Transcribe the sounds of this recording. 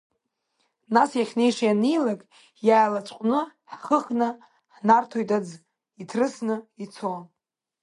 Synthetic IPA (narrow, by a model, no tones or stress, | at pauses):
nasjaχʲnejʂjanijlakʼ | jaːlat͡ʃʷʼqʷʼnɨħχəχnɨ | ħnartʰojtʼad͡z | itʰrɨsnɨit͡sʰon